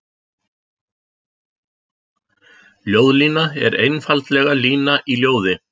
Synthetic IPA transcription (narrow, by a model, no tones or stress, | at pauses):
ljoːwðliːnaɛɾejnfalt̪lɛɣaliːnaʔiljoːwðɪ